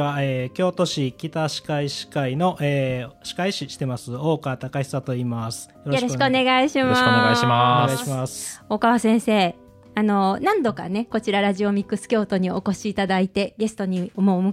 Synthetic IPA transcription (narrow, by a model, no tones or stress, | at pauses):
aeːkʲo̞ːt̪o̞ɕikʲit̪aɕi̥kaiɕi̥kaino̞ʔeːɕi̥kaiɕiɕi̥t̪e̞masɨo̞ːkat̪akaçi̥sat̪o̞iːmasɨ̥joɾjoɾoɕikɯone̞ɡaiɕimaeaɕaaiɕiasoːkaβasẽ̞ɰ̃se̞ː | ano̞nãnd̪o̞kane̞ko̞t͡ɕiɾaɾaʑio̞mʲikːɯsɨ̥kʲo̞ːt̪o̞ɲ̟io̞ko̞ɕiːt̪ad̪ait̪e̞ɡe̞sɨ̥t̪o̞ɲ̟iomoːmɯ̟